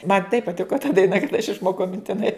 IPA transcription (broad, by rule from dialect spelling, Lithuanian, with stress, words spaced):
mɐn tɐɪp pɐˈtʲɪkoː tɐ dɐɪˈnɐ kɐt ɐʃ ɪʃˈmoːkɐʊ mʲɪnʲtʲɪˈnɐɪ